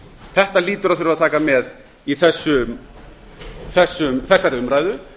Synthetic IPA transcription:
θɛht̪aliːt̪ʏɾaðθʏɾɪvat̪ʰaːkamɛð | iθɛsːʏ | θɛsːʏmθɛsːaɾɪʏmɾaːjðʏ

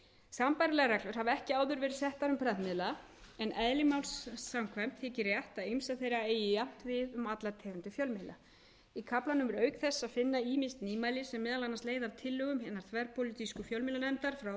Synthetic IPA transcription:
sampajɾɪlɛɣaɾɛklʏɾ̥havaɛhcɪaːwðʏɾvɛːɾɪ̥sɛht̪aɾʏmpʰɾɛðmɪðla | ɛnʔɛðlɪmawlsːaŋkʰvɛm̥t̪θʰɪːcɪrjɛht̪aðejmsaθejɾaeːjɪjam̥t̪vɪðʏmat̪lat̪ʰɛːvant̪ɪfjœlmɪla | ikʰaplanʏmɛɾœːɥkθɛsːaðfɪnːaiːmɪst̪niːmajlɪsɛmːɛːðalanːansleːjðavt̪ʰɪlːʏɣʏmhɛnːaɾ̥θvɛɾpʰowlit̪iskʏfjœlmɪlanɛmt̪aɾ̥fɾaw

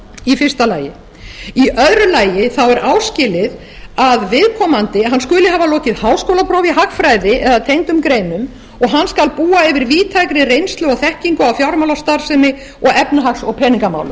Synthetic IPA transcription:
ifɪ̥st̪alaːjɪ | iʔœðɾʏlaːjɪθawɛɾʔaːwscɪːlɪð | aðvɪðkʰɔːmant̪ɪɦanːskʏːlɪɦaːvalɔːcɪðhaːwskowlapʰɾɔːwviɦaxfɾaːjðɪʔɛðat̪ʰejŋt̪ʏmkɾeːjnʏm | ɔɣɦanːskalpuːaɛvɪɾviːt̪ʰaːjkɾɪrejnst̪lʏɔɣθɛhciŋkʏawfjawɾmawlast̪aɾ̥sɛnːɪ | ɔɣɛpnʏɦaksɔɣpʰɛːniŋkama̰wlʏm

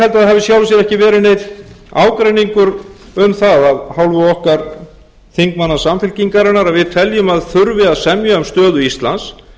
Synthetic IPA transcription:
hɛlt̪aðɦɛvðɪsjawlvʏsjɛɾɛhcɪvɛːɾɪnejt̪ | aːwkɾejniŋkʏɾ | ʏmθaðaðhawlvʏɔhkaɾ̥ | θiŋkmanːasamfɪlciŋkaɾɪnːaɾaðvɪðt̪ʰɛljʏmaðθʏɾvɪaðsɛmjaʏmst̪œːðʏist̪lans

